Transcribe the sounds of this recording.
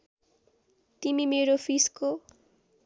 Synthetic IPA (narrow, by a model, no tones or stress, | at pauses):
t̪imimeɾofʰisko